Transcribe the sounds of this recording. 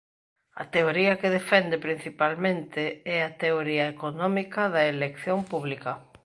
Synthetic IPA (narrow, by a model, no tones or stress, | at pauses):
ɐ̰t̪eoɾiɐkeðefɛnd̪epɾin̟θipalmẽnt̪ɪɛat̪eoɾiɐekonɔ̃mikɐðɐelekθjompuβlikɐ